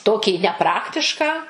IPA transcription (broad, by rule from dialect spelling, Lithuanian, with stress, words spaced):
ˈtoːkʲiː nʲɛˈprɑːktʲɪʃkɑː